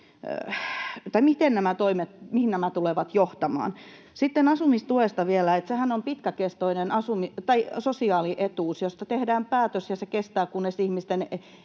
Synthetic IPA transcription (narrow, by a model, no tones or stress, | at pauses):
t̪ɑimit̪ennæmæt̪oimet̪mihinnæmæt̪uleʋɑt̪joht̪ɑmɑ̰ːn | sit̪ːenɑsumist̪uest̪ɑʋielæet̪sehænompit̪kækest̪oinenɑsumit̪ɑisosiɑːliʔet̪uːsjost̪ɑt̪ehdæːmpæːt̪øsjɑsekest̪æːkunːesihmist̪en